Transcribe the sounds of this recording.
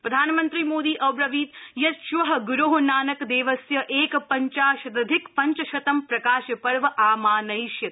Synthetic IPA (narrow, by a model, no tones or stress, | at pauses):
pɾɐd̪ʱaːnɐmɐnt̪ɾimoːd̪iːʔɐbɾɐʋiːt̪jɐt̪ʃʋɐɦɐɡuɾoːɦɐnaːnɐkd̪eːʋɐsjɐʔeːkpɐɲt͡ʃaːʃɐt̪ɐd̪ʱɪkpɐɲt͡ʃɐʃɐt̪ɐmpɾɐkaːʃjɐpɐɾʋɐʔaːmaːnɐjʃjɐt̪